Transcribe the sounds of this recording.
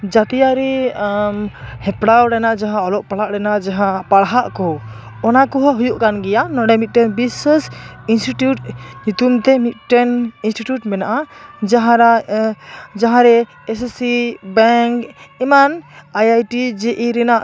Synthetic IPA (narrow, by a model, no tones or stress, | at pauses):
d͡ʒat̪ijaɾɛmhɛpɽawɾɛnaʔd͡ʒaɦãɔlɔʔpaɽaʔɾɛnaʔd͡ʒaɦãpaɽɦaʔkɔw | ɔnakɔɦɔɦujuʔkanɡɛjanɔɽɛmit̪̚ʈɛnbisəsinsʈiʈjuʈɲut̪umt̪ɛmit̪̚ˀʈɛninsʈiʈjuʈmɛnaʔad͡ʒaɦaɾ | d͡ʒaɦãɾɛ | ɛssibɛŋkimanajajʈid͡ʒeʔiɾɛnaʔ